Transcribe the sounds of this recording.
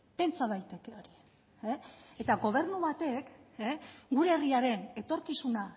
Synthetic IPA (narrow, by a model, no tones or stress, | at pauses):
pe̞nt͡saðajt̪e̞ke̞o̞ɾi | eet̪aɡo̞β̞e̞ɾnuβat̪e̞keɡuɾe̞ːriaɾe̞ne̞t̪o̞ɾkisuna